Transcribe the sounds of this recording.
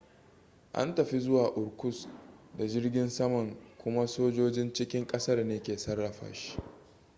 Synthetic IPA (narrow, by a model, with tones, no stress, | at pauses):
ʔa̰˦ntɐ˨ɸi˦zʊ˦waː˨ʔʊ˨ɽkʷʊ˦sda˨d͡ʒɪ˦rɡʲɪ˦nsɐ˦mɐ˨ŋkʷʊ˦ma˦soː˦d͡ʒoː˦d͡ʒɪ˦nt͡ʃɪ˦kʲɪ˦ŋkʼɐ˦sɐ˦rneː˦kʲeː˨sɐ˦rːɐ˨ɸa̰ː˨ʃi̥˦